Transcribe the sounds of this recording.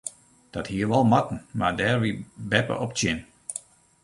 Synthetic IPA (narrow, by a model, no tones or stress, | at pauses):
d̥ɔthiəɾʋɔlˠmɔtn̩madɛːrʋibɛpə̰ʔɔptjɪn